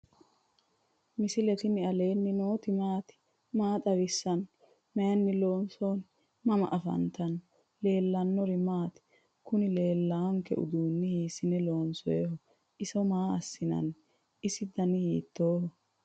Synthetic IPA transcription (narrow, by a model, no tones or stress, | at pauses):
mɪsɪlɛt̪ɪnɪɐleːnːɪnoːt̪ɪmaːt̪ɪ̥ | maːt̪ʼɐwɪsːɐn | mɛjɐnːɪlo̞ːnso̞ːn | mɐmɐ̰ʔɐfɐ̰nt̪ɐn | le̞ːlːɐnːɔɾɪmaːt̪ɪ̥ | kʊnɪle̞ːlːɐɐŋkɛ̰ʔʊ̰d̪uːnːɪhiːsɪnɛlo̞ːnsɔjɛhɔ | ʔɪsɔmaːɐsːɪnɐ̰n | ɪsɪd̪ɐnɪhiːt̪ːoːhɔ